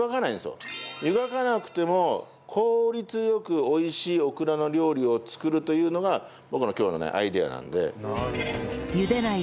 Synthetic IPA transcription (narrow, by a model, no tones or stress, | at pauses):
ɡakanaĩnsjo̰jɯ̟ɡakanakɯ̟̥t̪e̞mo̞ | kʰo̞ːɾʲit͡sɨjo̞kɯ̟o̞iɕiːo̞kɯ̟ɾano̞ɾʲo̞ːɾʲio̞t͡sɨ̥kɯ̟ɾɯ̟t̪o̞jɯ̟ːno̞ɡa | bo̞kɯ̟no̞kʲo̞ːno̞̰nḛʔa̰id̪e̞a̰nã̰nd̪e̞̰ | jɯd̪ena